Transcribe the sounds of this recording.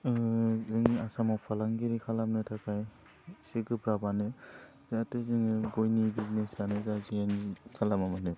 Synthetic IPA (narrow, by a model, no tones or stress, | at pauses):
zɯŋiasamawpʰalaŋɡiɾikʰalamnɯtʰakʰaj | siɡɯbɾabanɯ | zaatɯzɯŋiɡojnibiznesanɯzaziankʰalamamanɯ